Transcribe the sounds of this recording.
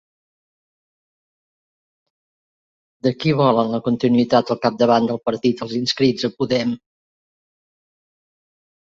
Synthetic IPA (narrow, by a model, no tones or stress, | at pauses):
d̪əkiβ̞ɔlənləkunt̪inuit̪at̪əlˠkap̚d̪əβand̪əlˠpəɾt̪it̪əlˠzinskɾid͡zəpuðɛm